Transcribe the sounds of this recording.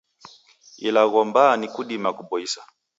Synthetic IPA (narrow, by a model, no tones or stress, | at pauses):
ilaɣɔmbanikuɗimakuɓɔisḁ